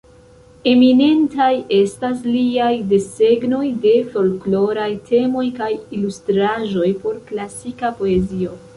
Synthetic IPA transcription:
e̞mine̞ntaje̞stasliajde̞se̞ɡno̞jde̞fo̞lklo̞ɾajtʰe̞mo̞jkajilustɾaʒo̞jpo̞ɾklasikapo̞e̞zio̞

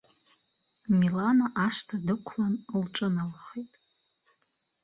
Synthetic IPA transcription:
milanaʔaʂtʰadɨkʷʰlanlʈ͡ʂʼɨnalχejtʼ

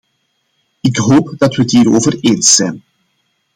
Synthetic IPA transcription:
ɪkɦoːpd̥ɑtʋəətɦiːɾoːvəreːnsɛjn

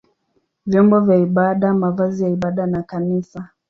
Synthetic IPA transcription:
vjɔmbɔvjaiɓaɗamavazijaiɓaɗanakanisa

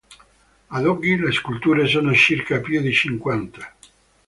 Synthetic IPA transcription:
ad̪ɔɡileskult̪uːɾesoːnot͡ʃirkapjud̪it͡ʃiŋkwant̪ḁ

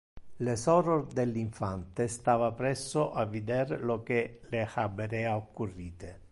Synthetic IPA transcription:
lesɔɾord̪elːiɱfant̪est̪aːvapɾɛsːoʔavːid̪eɾlok̟elexabːeɾɛaokːurːiːt̪e

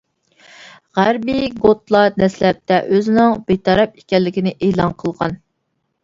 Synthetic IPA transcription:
ʁæɾbiɡot̪lˠɑd̪ɛslɛp̚t̪ʰɛʔøzɪnɪŋbet̪ʰɑɾɑp̚e̥kʲɛlːɪkʲinɪʔeːlˠɑnqʰəlˠʁɑn

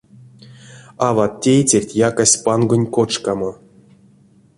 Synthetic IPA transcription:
avat̪ːʲejt͡sʲerʲtʲjakasʲpanɡonʲkot͡ʂkamo

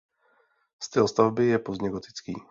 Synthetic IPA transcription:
st̪ɪlst̪avbɪjɛpozɲɛɡot̪ɪ̥t͡skḭː

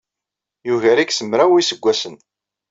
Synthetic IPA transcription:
juʝæɾiksəmɾæwisəɡʷːæsən

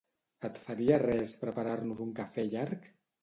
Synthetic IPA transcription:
ət̪faɾiarɛspɾəpaɾaɾnuzuŋkafɛʎaɾk

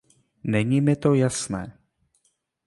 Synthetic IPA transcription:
nɛɲiːmɪt̪o̞jasnɛː

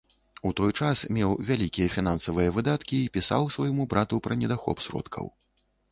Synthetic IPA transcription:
ut̪ɔjt͡ʂasmʲɛwvʲalʲikʲijɐfʲin̪ansɐvɨjɐvɨd̪at̪kʲiːpʲisa̰wsvɐjmubɾat̪upɾɐnʲɛd̪axɔ̰psɾɔ̰t̪kʰɐ̰w

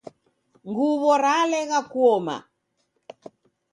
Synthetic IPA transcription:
ŋɡuβɔɾalɛɣakuɔma̰

